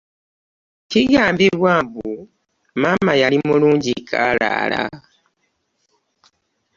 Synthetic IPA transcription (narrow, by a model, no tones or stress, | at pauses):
tiɡaːmbiβwaːmbu | maːmajalimuluːɲɟikʰaːla̰ːla̰